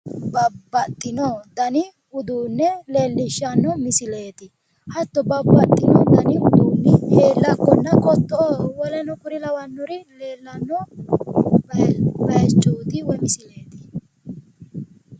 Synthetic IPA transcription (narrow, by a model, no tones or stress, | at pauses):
bɐbːɐt̪ʼːɪnɔd̪ɐnɪ | ʊd̪uːnːɛleːlːɪʃːɐnːɔmɪsɪle̞ːt̪ɪ | hɐt̪ːɔbɐbːɐt̪ʼːɪnɔd̪ɐnɪʊd̪uːnːɛheːlːɐkːɔnːɐkʼɔt̪ːɔʔowɔlɛnɔkʊɾɪlɐwɐnːɔɾɪleːlːɐnːɔ | bbɐjɛt͡ʃʼːoːt̪ɪwɔmɪsɪle̞ːt̪ɪ̥